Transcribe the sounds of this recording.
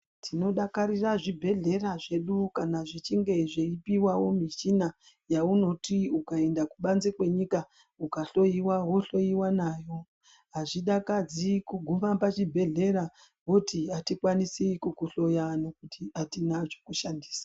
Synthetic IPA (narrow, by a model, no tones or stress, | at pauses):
tʰino̞ɗakaɾiraʐibʱe̞ɮe̞raʐe̞ɗukanaʐit͡ʃiŋɡe̞ʐeipiwawo̞miʃina | jauno̞tiukae̞ndakuɓanzikwe̞ɲika | ukaɬo̞iwaɦoɬo̞iwanaːjo̞ | ɦaʐiɗakad͡zikuɡʱumapat͡ʃibʱe̞ɮe̞ɾa | ɦotiatikwanisikukuɬo̞janokutiatinat͡ʃokuʃandi̥ːsḁ